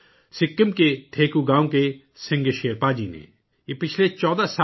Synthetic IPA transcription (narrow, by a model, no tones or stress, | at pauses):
sɪkːəmkeʈʰeːkuɡãːõke | sɪ̃ŋɡeʃeːəɾpaːd͡ʒinḛ̃ | jepɪt͡ʃʰlet͡ʃɔːd̪asa